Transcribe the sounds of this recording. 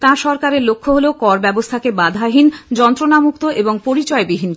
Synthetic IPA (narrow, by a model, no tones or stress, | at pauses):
t̪ãɾʃɔɾkaɾeɾlokʰːoɦolokɔɾbɛbost̪ʰakebad̪ʱaɦind͡ʑɔnt̪ɾonamukt̪oʔeboŋpoɾit͡ɕɔebiɦin